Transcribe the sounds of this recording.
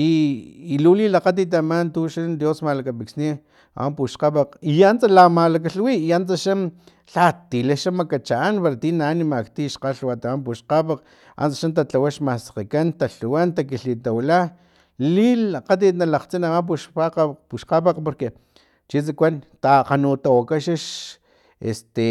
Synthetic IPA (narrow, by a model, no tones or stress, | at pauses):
iːlulilaqat̪̬it̪̬amant̪uʃand̪josmalakapiksni | a̰wampuʃqapaqiant͡salamalak̬aɬwiːant͡saʃan | ɬat̪ileʃamakat͡ʃaːnpaɾat̪inanimakt̪iʃqaɬwat̪amamp̬uʃqapaq | a̰nt͡saʃant̪̬at͡ɬawaʃmasḁqikant̪aɬuwant̪akiɬit̪awla | liaqat̪̬it̪nalaqt͡sinawamp̬uʃpaqapuʃqapaqpoɾke | t͡ʃit͡sakʷant̪aqanut̪awakaʃaʃ | ḛst̪e